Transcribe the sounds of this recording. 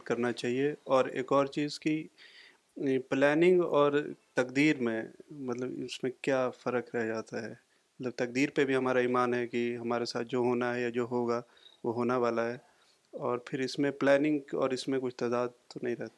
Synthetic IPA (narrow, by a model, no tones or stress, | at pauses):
kɐɾnat͡ʃaːɦieɔːɾḛːkɔːɾt͡ʃiːzki | plɛːnɪ̃ŋɡɔːɾt̪ɐkd̪iːɾmẽmɐt̪ləbɪ̰smẽkjaːfɐɾəkɾɛɦd͡ʒaːt̪aɦɛ | mɐt̪ləb̚t̪ɐk̚d̪iːɾpebʱiɦɐmaːɾaiːmaːnɦɛkiɦɐmaːɾesaːt̪̚ʰd͡ʒoːɦoːnaɦɛjad͡ʒoːɦoːɡa | ʋoɦoːneʋaːlaɦɛː | ɔːɾpʰɪɾɪsmẽplɛːnɪ̃ŋɡkɔ̰ːɾɪsmẽkʊt͡ʃʰt̪ad̪aːd̪̚t̪onɐɦĩɾɛɦt̪a